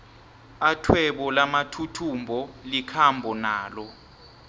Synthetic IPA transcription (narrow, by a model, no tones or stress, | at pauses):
atʰwɛɓɔlamatʰutʰumbʱɔlikʰambʱɔnaːlɔ